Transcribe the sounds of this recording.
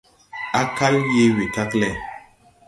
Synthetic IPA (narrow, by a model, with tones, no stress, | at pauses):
a˦ka˦lje˦wi˨ka˦klɛ˨